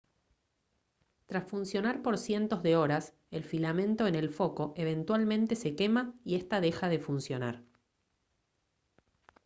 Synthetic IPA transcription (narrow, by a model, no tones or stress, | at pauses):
t̪ɾasfunsjo̞naɾpo̞ɾsje̞nt̪o̞zðe̞o̞ɾas | elfilamẽnt̪o̞ene̞lfo̞ko̞ʔeβ̞e̞nt̪walmẽ̞nt̪e̞se̞ke̞maiest̪aðe̞xað̞e̞funsjo̞naɾ